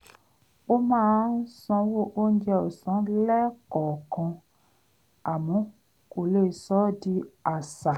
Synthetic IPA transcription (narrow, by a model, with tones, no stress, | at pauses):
o˦mãː˦˧˦n̩˦sɔ̃˧wo˦˨ʔo˦n̩˦d͡ʒɛ˧o˨sɔ̃˨˦lɛ˦kɔ˨kɔ̃˧ | a˨mɔ̃˨˦ | ko˨le˦˨sɔ˨˦di˧a˨sa˨